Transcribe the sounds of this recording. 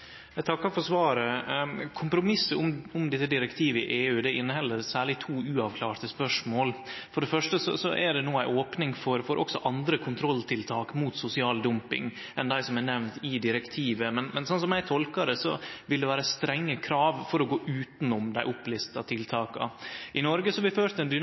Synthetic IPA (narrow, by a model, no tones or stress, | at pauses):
ɛt̪ʰɑkːɑfɔʂʋɑːɾəkʰʊmpɾʊmɪsːəʊmʊmd̪ɛt̪ːəd̪ɪɾɛkt̪ʰiːʋəɪʔeːʉːd̪ɛɪnːəhɛlːəɾsæːɭɪt̪ʰuːʉːɑʋkʰlɑːɾt̪əspœʂmoːlfɔɖɛfœʂʈəsɔ̰sɔ̰ʔɛɖɛnuːæɪʔoːpnɪŋfɔɾfɔɾʔɔksɔʔɑnd̪ɾəkʰʊnt̪ʰɾɔlːt̪ʰɪlt̪ʰɑːkmuːt̪sʊsɪɑːld̪ʉmpɪ̰ŋ | ʔɛnd̪æɪsɔmænɛʋnt̪ɪd̪ɪɾɛkt̪ʰiːʋəmɛnmɛnsɑnsɔmæɪt̪ʰɔlkɑd̪əsɔ̰ʋɪld̪ɛʋæːɾəst̪ɾɛŋːəkʰɾɑːʋfɔɾɔɡoːʔʉːt̪nʊmd̪æɪʔʊplɪst̪ɑt̪ʰɪlt̪ʰɑːkɑ̰ʔɪnɔɾɡəsɔɑʋɪføːɾt̪əɛnd̪ʏ